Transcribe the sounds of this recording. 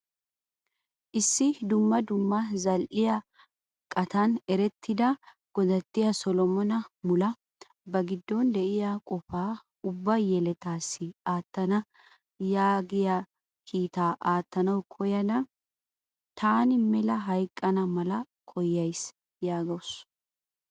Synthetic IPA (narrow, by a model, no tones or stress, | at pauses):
ʔɪsːɪd̪ʊmːɐd̪ʊmːɐzɐlʔɪjɐ | kʼɐt̪ɐnɛɾɛt̪ʰːɪd̪ɐ | ɡ̥ɔd̪ɐt̪ːɪjɐsɔlɔmɔnɐmʊlɐ | bɐɡɪd̪ːɔnd̪ɛʔɪjakʼɔfaː | ʊbːɐjɛlɛt̪aːsːɪaːt̪ːɐnɐ | jaːɡɪjɐ | kʰiːt̪aːʔaːt̪ːɐnɐwkʰɔjɐnɐ | t̪ʰaːnɪmɛlɐɦɐjkʼːɐnɐmɐlɐ | kʰɔjːɐjs | jaːɡɐws